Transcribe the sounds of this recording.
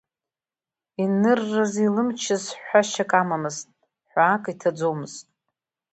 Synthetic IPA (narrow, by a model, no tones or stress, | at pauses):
inɨrːazilɨmt͡ʃʰɪzħʷaʃakʼamamɨztʼ | ħʷaːkʼitʰad͡zo̞mɨztʼ